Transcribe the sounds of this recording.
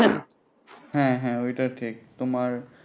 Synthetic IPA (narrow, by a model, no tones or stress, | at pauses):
hɛ̃ɦɛ̃ojʈaʈʰik̚t̪ʊmaɾ